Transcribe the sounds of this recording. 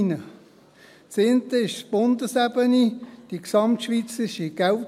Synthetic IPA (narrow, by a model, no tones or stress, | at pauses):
nə | t͡sent̪əɪʃsb̥ʊnd̪əsæbənid̥iksɑmtʃʋit͡sɪʃiɡ̥æl